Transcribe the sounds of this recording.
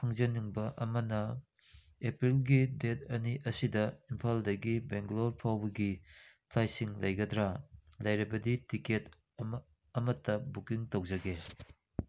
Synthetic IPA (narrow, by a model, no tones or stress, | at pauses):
pʰɐŋzɐniŋbɐʔɐmɐnɐ | epɾilɡidet̚ɐniʔɐsidɐimpʰaldɐɡibeŋɡloɾpʰawbɐɡipʰlajsiŋlɐjɡɐdɾalɐjɾɐbɐditiket | ɐmɐtːɐbukiŋtowd͡ʒɐɡe